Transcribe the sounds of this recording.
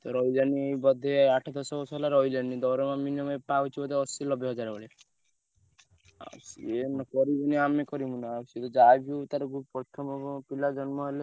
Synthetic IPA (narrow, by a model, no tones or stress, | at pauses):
t̪ɔɾɔjlanibɔd̪ʱeaʈʰɔd̪ɔsɔbɔsɔɦelaɾɔjlanid̪ɔwɾemãminiɔmepaut͡ʃʰibɔd̪ʱeɔsilɔbjeɦɔd͡ʒaɾebɔɭe | a̰sḭenɔkɔɾibuniamekɔɾibunasiet̪ɔd͡ʒabʱiut̪aɾɔɡupɾɔt̪ʰɔmɔpilad͡ʒɔnmɔɦele